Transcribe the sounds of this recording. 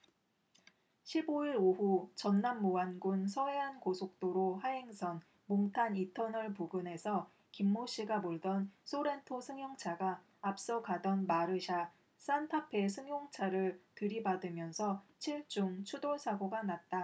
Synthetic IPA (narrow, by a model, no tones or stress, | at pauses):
ɕʰiboiɾoɸut͡ɕʌnːamːoanɡunsʰʌwe̞ɦankosʰok̚t͈oɾohaɦe̞ŋsʰʌn | moŋtʰanitʰʌnʌɭpuɡɯne̞sʰʌ | kimːoɕ͈iɡamoɭdʌnsʰoɾe̞ntʰosʰɯŋjoŋt͡ɕʰaɡaː | p̚s͈ʌkadʌnmaɾɯɕʰa | s͈antʰapʰe̞sʰɯŋjoŋt͡ɕʰaɾɯɭtɯɾibadɯmjʌnsʰʌt͡ɕʰiɭt͡ɕ͈uŋt͡ɕʰudoɭsʰaɡoɡanat̚t͈a